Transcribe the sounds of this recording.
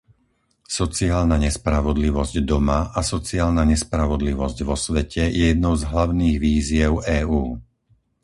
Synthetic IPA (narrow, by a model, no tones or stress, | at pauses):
sɔt͡siaːlnaɲɛspɾaʋɔd̪liʋɔzɟd̪ɔmaʔasɔt͡siaːlnaɲɛspɾaʋɔd̪liʋɔzɟʋɔsʋɛcʰɛjɛjɛd̪nɔʊzɦlaʊniːɣʋiːzɪɛʊʔɛːuː